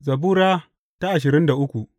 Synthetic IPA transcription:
zɐ˨buː˦ɾaː˦ | ta˦ʔa˨ʃ̬ɪ˨ɾɪ˦nda˨ʔʊ˦kʷu˨ʔ

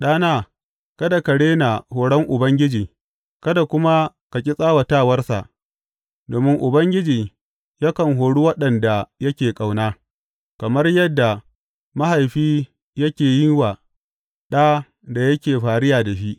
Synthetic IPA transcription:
ɗaː˦naː˦ | kɐ˦da˨ka˨ɽeː˦na˨hoː˨ɽɐ˦ŋʔʊ˨bɐ˦ŋɡʲɪ˦d͡ʒiː˨ | kɐ˦da˨kʷʊ˦ma˦ | ka˨kʲʼɪ˦sʼaː˦wɐ˨taː˦˨wɐ˦rsa̰˨ʔ | doː˨mɪ˦ŋʔʊ˨bɐ˦ŋɡʲɪ˦d͡ʒiː˨ | ja˦kɐ˨ŋɦoː˨ɽu˦wɐ˦ɗɐ˨nda˨jɐ˦kʲeː˨kʼa˨wnaː˦ | kɐ˨mɐ˦rjɐ˦dːa˨ | ma˦ha˨jɸiː˦ | jɐ˦kʲeː˨ji˦wa˨ | ɗaː˦ | da˨jɐ˦kʲeː˨ɸaː˨ɽɪ˦jaː˨da˨ʃi˦ʔ

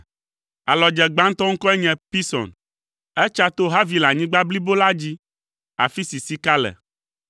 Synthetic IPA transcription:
a˨lɔ˨d͡ʒɛ˨ɡ͡ba˦ŋ̩˦t̪ɔ̃˦ŋ̩˦kɔ˦ɛ˦ɲɛ̃˨pi˦sɔ̰˨n | ɛ˦t͡ʃa˦t̪o˦ɦa˦vi˨la˨ɲĩ˦ɡ͡ba˦bli˦bo˦la˦d͡ʑi˦ | a̰˨fi˦si˨si˦ka˦lɛ̰˨

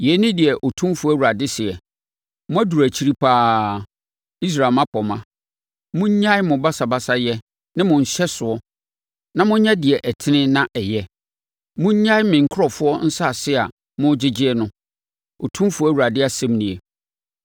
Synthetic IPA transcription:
jɛ˨˦nɪ̃˦dɪ˨ɛ˨ʔo˨tʰũ˦mfʊ˨˦æ˦wu˨ɾa˨dɪ˦sɪ˨ɛ˨ | mʊ̃˦æ˦du˨ɾæ˨t͡ɕʰi˦ɾi˦pʰaː˦ | i˦s̬ɾa˨mã˦pʰɔ˨mã̰˦ | mʊ̃˦ɲ˦ɲã˦mʊ̃˨ba˦sa˨ba˦sa˦jɛ˦ | nɪ̃˦mʊ̃˨n̩˨ɕɛ˦sʊ˨ɔ˦ | nã˨mʊ̃˦ɲã˦dɪ˨ɛ˨ʔɛ˨tʰɪ̃˦nɪ̃˦nã˦ʔɛ˨jɛ˦ | mʊ̃˦ɲ̩˦ɲã˦mɪ̃˨ŋ̩˨kʰʊ˦ɾɔ˨fʊ˦ɔ˦n̩˦sa˦˨sɪ˦˨a˨ | mʊ̃˦d͡ʑɪ˦d͡ʑɪ˦ɛ˦nʊ̃˦ | o˨tʰũ˦fʊ˦˨wu˨ɾa˨dɪ˦a˨sɛ̃˦mnĩ˨e˨

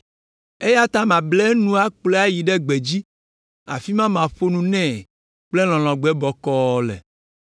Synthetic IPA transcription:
e˦ja˦t̪a˦mã˨blɛ˦nũ˦a˦k͡ple˦a˦ji˨ɖɛ˦ɡ͡be˨d͡ʑi˦ | a̰˨fi˦mã˦mã˨ɸo˦nũ˨nɛ̃˦ | k͡plɛ˦l̃ɔ̃˨l̃ɔ̃˨ɡ͡bɛ˨˦bɔ˨kɔ˦lɛ̰˨

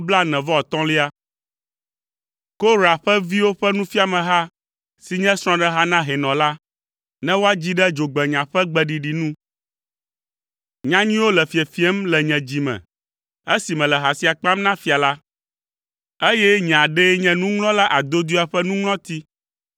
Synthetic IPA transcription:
bla˦nɛ̃˨vɔ˦ɔ˨t̪ɔ̃˦le˦a˦ | ko˦ɾa˨ɸɛ˦vi˦wo˦ɸɛ˦nũ˦fi˦a˨mɛ̃˨ɦa˦ | si˨ɲɛ̃˦sɾ̃ɔ̃˦ɖɛ˦ɦa˦nã˦ɦɛ˨nɔ̃˨la˦ | nɛ̃˦wo˦a˦d͡ʑi˦ɖɛ˦d͡ʒo˨ɡ͡bɛ˨ɲã˨ɸɛ˦ɡ͡bɛ˦ɖi˨ɖi˨nũ˦ | ɲã˦ɲĩ˦wo˦lɛ˨fi˨e˨fi˨˦e˦m˦lɛ˨ɲɛ̃˨d͡ʑi˨mɛ̰̃˨ | e˦si˨mɛ̃˨lɛ˨ɦa˨si˦a˨k͡pa˦m˦nã˦fi˨a˨la˦ | e˦jɛ˦ɲ˨ã˨ɖɛ˦ɲɛ̃˦nũ˦ŋlɔ̃˦la˦ʔa˨d̪o˦d̪u˦a˨ɸɛ˦nũ˦ŋlɔ̃˦t̪i˦

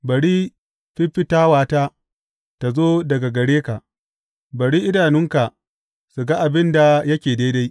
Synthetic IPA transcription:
bɐ˨ɽiː˦ | ɸɪ˦ɸɪ˦taː˦waː˨ta˦ | ta˨zoː˦dɐ˨ɡa˨ɡɐ˨ɽeː˦ka˨ʔ | bɐ˨ɽiː˦ʔɪ˦daː˨nʊ˦ŋka˨ | su˨ɡa˦ʔa˨bɪ˦nda˨jɐ˦kʲeː˨da˦da˦j

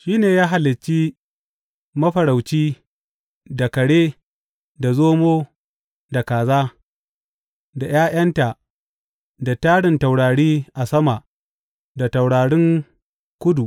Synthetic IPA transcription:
ʃiː˦neː˨jaː˦ɦa˨lɪ˨t͡ʃi˦ | mɐ˦ɸɐ˨ɾa˨wt͡ʃiː˦ | da˨kɐ˨ɽeː˦ | da˨zoː˦moː˦ | da˨kaː˨zaː˦ | da˨j̰aː˦j̰ɐ˦nta˨ | da˨taː˦ɽɪ˨nta˨wɽaː˨ɽiː˦ʔa˨sɐ˦ma˨ʔ | da˨ta˨wɽaː˨ɽɪ˦ŋ | kʷʊ˦du˨ʔ

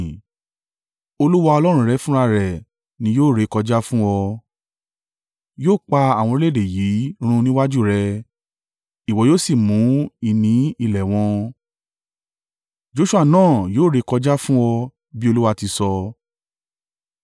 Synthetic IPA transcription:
o˧lu˦wa˧ɔ˧lɔ˦ɾ̃ũ˧˦ɾɛ˦fũ˦ɾa˧ɾɛ˨ | nĩ˧˦joː˦˨ɾe˨˧kɔ˧d͡ʒa˦fũ˦wɔ˧ | joː˦˨k͡pa˧a˨w̃ɔ̃˧ɾe˦le˦˨de˨ji˨˦ɾ̃ũ˦nĩ˦wa˦d͡ʒu˦˨ɾɛ˧ | i˨wɔ˨joː˦˨si˦˨mũ˨˦i˧˨nĩ˨˦i˦˨lɛ˨w̃ɔ̃˧ | d͡ʒo˦ʃu˦a˦˨nãː˦˨joː˦˨ɾe˧kɔ˧d͡ʒa˦fũ˦wɔ˧ | bi˦o˧lu˦wa˧ti˧sɔ˧

